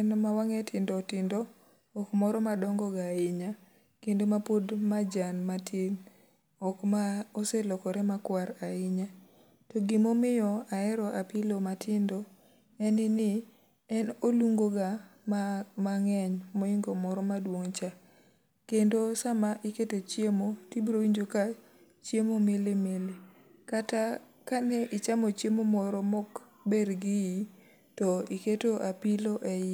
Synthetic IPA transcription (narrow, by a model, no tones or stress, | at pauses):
ɛnmawaŋɛtʰɪndɔtɪndo | ɔkmɔɾɔmadɔŋɡɔɡaɪɲa | kendomapodmad͡ʒanmatʰiŋ | ɔkmaɔselɔkɔɾɛmakwaɾaɪɲa | tɔɡimomɪjɔaɛɾɔʔapilomatʰɪndɔ | ɛnɪnɪ | ɛnoluŋɡoɡa | maŋɛɲmoɪŋɡɔmɔɾɔmadwoŋt͡ʃa | kendosamaʔiketot͡ʃjemotibɾowiɲd͡ʒoka | t͡ʃjemomelemele | kata | kanɛʔɪt͡ʃamot͡ʃjemomɔɾɔmɔk | beɾɡɪji | tɔiketoʔapiloʔɛj